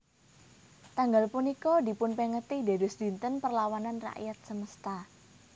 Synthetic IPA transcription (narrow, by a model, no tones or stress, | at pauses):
t̪aŋɡalpunikɔd̪i̤pʊnpeŋət̪id̪e̤dʊsd̪̥i̤nt̪ənpərlawananra̰ʔjat̪̚səməst̪a